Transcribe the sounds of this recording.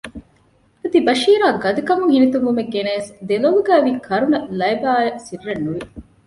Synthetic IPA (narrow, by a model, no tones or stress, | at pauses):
ɐd̪ibɐʃiːɾaːɡɐd̪ukɐmuŋhinit̪uŋʋumeɡːeneːsd̪eloluɡæːʋiːkʰɐɾunɐlɐjbaːjɐsirːɐnːuʋi